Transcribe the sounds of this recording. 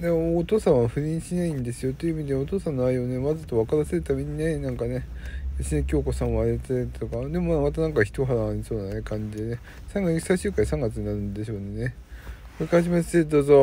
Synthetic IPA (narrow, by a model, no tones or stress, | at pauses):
d̪eːt̪o̞ːsãɰ̃aɸɯ̟ɾʲĩːɕinaĩnd̪e̞sɨjo̞t̪o̞jiɯ̟ːmid̪eot̪o̞ːsãnːoaio̞ne̞mazɨt̪o̞βakaɾase̞ɾɯ̟t̪ame̞ɲ̟inenãŋkane̞jaɕinekʲio̞ːkosãoaɾet̪et̪o̞kad̪e̞mo̞mamat̪anãŋkaçi̥t̪o̞ɦaɾaːɾʲiso̞ːnanekãɲ̟d͡ʑid̪e̞ne | sãŋɡat͡ssaiɕɨːkãĩsãŋɡat͡sɨɲ̟inaɾɯ̟̃nd̪e̞ɕo̞ːne̞ne | mɯkaʑimḁed̪oːzo